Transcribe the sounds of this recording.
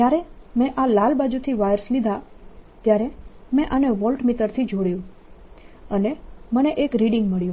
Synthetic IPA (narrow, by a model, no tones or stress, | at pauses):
d͡ʒjaɾemɛ̃ʔalalbad͡ʒut̪ʰiʋajəɾslid̪ʱat̪jaɾemɛ̃ʔaneʋɔlʈmit̪əɾt̪ʰid͡ʒʱoɽjũ | əneməneʔekɾiɖiŋɡməɭjũ